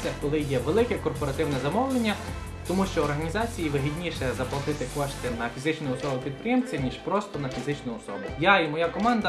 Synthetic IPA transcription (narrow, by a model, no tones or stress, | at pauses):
ɐkɔlˠɪjɛʋelˠɪkɛkɔrpɔɾɐt̪ɪwnɛzɐmɔwlˠenʲːɐ | t̪ɔmuʃt͡ʃɔɔrɦɐnʲizɑt͡sʲijiʋɪɦidʲnʲiʃɛzɐplˠɐt̪ɪt̪ɪkɔʃt̪ɪnɐfʲizɪt͡ʃnɔjɔsɔbʊpʲid̪̚pɾʲɪjɛmt͡sʲɐnʲiʒpɾɔst̪ɔnɐfʲizɪt͡ʃnʊjɔsɔbʊjaimɔjakɔmɑnd̪ɐ